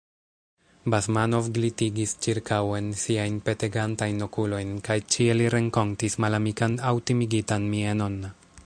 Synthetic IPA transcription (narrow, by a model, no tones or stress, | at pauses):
bazmano̞vɡlitiɡist͡ʃiɾkawe̞nsiajnpe̞te̞ɡantajnːo̞kulo̞jnkajt͡ʃieliɾeŋko̞ntismalamikanawtimiɡitanmiano̞na